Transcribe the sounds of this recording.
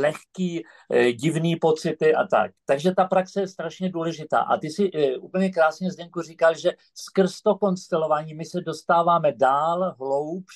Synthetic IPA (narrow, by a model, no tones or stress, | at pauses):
lɛxkiː | ɟɪvniːpo̞t͡sɪt̪ɪʔa̰t̪a̰k̚t̪aɡʒɛt̪apɾaksɛjɛst̪ɾaʃɲɛduːlɛʒɪt̪a̰ːʔa̰t̪ɪsɪuːpl̩ɲɛkɾaːsɲɛzdɛŋkuriːkalʒɛ | skr̩st̪oko̞nst̪ɛlo̞vaːɲiːmɪsɛdo̞st̪aːvaːmɛdaːlɦlo̞wp